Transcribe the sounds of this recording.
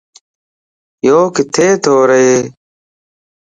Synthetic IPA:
joːkɪt̪ʰeːt̪ʰoːɾəeː

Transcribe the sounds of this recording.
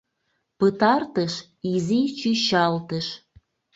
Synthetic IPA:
pət̪ɑrt̪əʃ | izit͡ɕyɕɑlt̪əʃ

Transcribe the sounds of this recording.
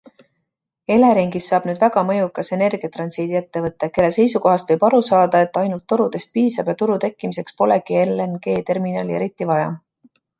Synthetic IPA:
e̞leɾiŋɡ̥isːɑːb̥nyːd̪̥væɡ̥ɑmɤ̞jukːˑɑse̞ne̞rɡ̥iɑt̪rɑnsiːd̪ie̞t̪ːe̞vɤt̪ˑːeke̞lːese̞jsuko̞ɦɑst̪vɤ̞jb̥ɑɾusɑːd̪ɑe̞t̪ːˑɑjnult̪ːuɾud̪̥e̞st̪̚piːsɑb̥jɑt̪uɾut̪e̞kːˑimise̞kspo̞leɡ̥ielːenɡ̥e̞ːt̪e̞rminɑːlie̞ɾit̪ːˑivɑjɑ̰

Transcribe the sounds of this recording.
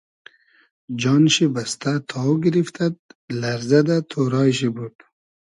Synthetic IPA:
d͡ʒɑːnʃibast̪at̪ʰɑuɡiɾift̪ʰad̪̚laɾzad̪at̪ʰoɾɑːjʃibud̪̥

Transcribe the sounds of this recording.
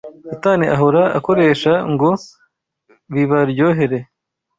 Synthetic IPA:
sataːniʔaɦoɾaa̰ko̞ɾe̞ːʃaŋɡo̞ | βiβaɾjo̞ːɦe̞ɾe

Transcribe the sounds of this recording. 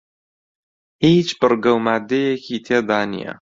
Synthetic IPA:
hiːt͡ʃbɨrɡɐwmaːd̪ejekʰit̪ʰeːd̪aːnḭjɐ̰

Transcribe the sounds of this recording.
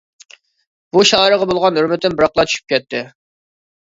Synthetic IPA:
b̥uʃɑːɾəʁɑbolˠʁɑnøɾmɪt̪ːɪnbɨɾɑqlˠɑt͡ʃʰy̥ʃy̥p̚kʲʰɛt̪ʰːɪ

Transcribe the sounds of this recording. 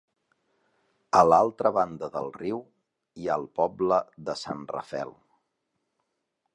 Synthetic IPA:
əlalˠt̪ɾəβand̪əðəlˠriw | ialˠpɔbləðəsanrə̰fɛ̰lˠ

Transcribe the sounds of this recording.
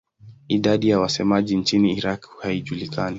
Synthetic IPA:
iɗaɗijawasɛmaʄint͡ʃiniːɾakhaiʄulikani

